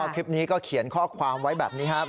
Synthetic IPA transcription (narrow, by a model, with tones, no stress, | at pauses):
kʰi˦˥p̚niː˦˥kɔː˥˩kʰi˨˩˦ənkʰɔː˥˩kʰwaː˧mwa˦˥jbɛː˨˩p̚niː˦˥kʰa˦˥ʔ